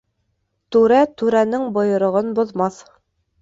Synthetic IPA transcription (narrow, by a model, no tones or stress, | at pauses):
t̪ʉɾæt̪ʉɾænɘŋbŏjɤ̆ɾŏʁɤnbŏðmɑθ